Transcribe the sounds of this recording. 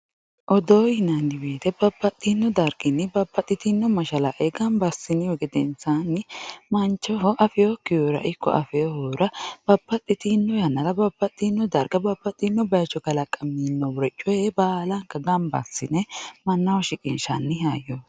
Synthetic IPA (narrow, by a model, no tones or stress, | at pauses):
ʔɔd̪oːjɪnɐndɪbeːt̪ɛbɐbːɐt̪ʼːɪnːɔd̪ɐɾɡɪnːɪbɐbːɐt̪ʼːɪt̪ɪnːɔmɐʃɐlɐʔeɡɐmbɐsɪnːɪwɔɡɛd̪ɛnsanːɪmɐnt͡ʃːɔɦɔʔɐfɛjokːɪjoɾɐ̰ʔɪkːɔ̰ʔɐ̰fɛjɔhoːɾɐb̥ɐbːɐt̪ʼːɪt̪ɪnːɔjɐnːɐlɐbɐbːɐt̪ʼːinːɔd̪ɐɾɡɐbɐbːɐt̪ʼːɪnːɔbɐjt͡ʃːɔɡɐlɐkʼɐmːinːɔwʊɾɛt͡ʃʼːɔjebaːlɐŋkːɐɡɐmbɐ̰sːɪnɛmɐnːɐwɔʃɪkʼɪnʃɐnːɪhaːjːɔ